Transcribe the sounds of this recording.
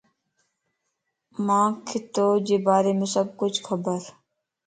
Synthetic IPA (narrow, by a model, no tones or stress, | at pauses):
mãːkʰɪt̪oːd͡ʒeːbaːɾeːmẽːsəb̚kʊt͡ʃʰkʰəbəɾ